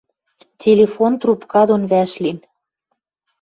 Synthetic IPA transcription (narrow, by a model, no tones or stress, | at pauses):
tʲelʲefont̪rupkɑd̪onβæʃlin